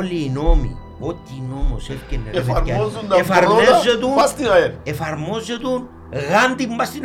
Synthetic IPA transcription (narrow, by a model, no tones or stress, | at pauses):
lːiːnomḭ | ot̪ːinomosefcenːeeevɐɾaozund̪ɐefɐɾmoeɐzet̪upast̪inaeefɐɾmozet̪un | ɣant̪imbɐst̪in